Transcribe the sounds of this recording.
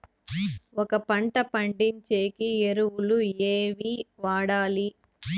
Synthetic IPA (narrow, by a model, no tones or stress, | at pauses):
ɔkɐpɐɳʈɐpɐɳɖiɲt͡ʃeːkieɾuwulueːʋiʋaːɽaːli